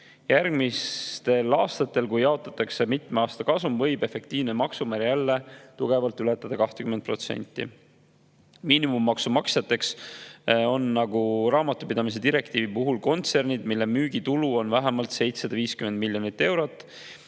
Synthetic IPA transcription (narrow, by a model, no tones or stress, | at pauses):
jærɡmist̪e̞lɑːst̪ɑt̪ːˑe̞lkujjɑo̞t̪ːˑɑt̪ːˑɑkse̞mit̪meɑːst̪ɑkɑsumvɤjbe̞fe̞k̚t̪iːvnemɑksumæɾjælːe̞t̪uɡ̥e̞vɑlt̪ˑːylet̪ːˑɑd̪̥ɑkɑht̪e̥kymenpro̞t̪sḛnʲt̪ːˑḭ | miːnimumːɑksumɑksjɑt̪ːe̞ks | o̞nːɑɡuɾɑːmɑt̪ːˑupid̪̥ɑmis̬e̞d̪iɾe̞kt̪iːvipuɦulko̞nt̪se̞rnid̪milːe̞myːɡit̪uluo̞nvæɦemɑlt̪se̞jt̪sɑd̪̥ɑviːskymend̪̚milʲjo̞nit̪ːe̞wɾo̞t̪ːˑ